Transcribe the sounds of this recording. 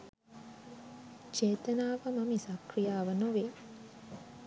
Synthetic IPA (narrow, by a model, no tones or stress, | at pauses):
t͡ʃeːt̪ənaːʋəməmisɐkrijaːʋənoʋe